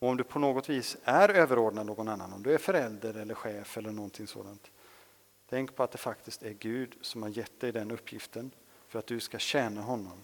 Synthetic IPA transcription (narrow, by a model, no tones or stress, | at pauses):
ɔɔmd̪ɵpʰɔnoːɡɔt̪viːsæɾøːvəɾoːɖɳad̪noːɡɔnanːa̰nɔmd̪ɵæɾfœɾɛld̪əɾɛlːəɾɧɛːfɛlːəɳɔnt̪ʰɪŋso̰ːd̪ant̪ʰː | ɛŋkpʰɔat̪̚d̪ɛfak̚t̪ɪskt̪æɾɡʉ̟ːd̪sɔmhaɾjɛt̪̚d̪ɛjd̪ɛnɵpʰːjɪft̪ən | fœɾat̪̚d̪ɵskaɕɛːnaɦɔnːɔm